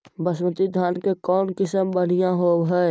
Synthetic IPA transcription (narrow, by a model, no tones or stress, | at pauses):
bəsmət̪id̪ʱaːnkekɔːnkɪsəmbəɽ̤ijãɦobɦɛ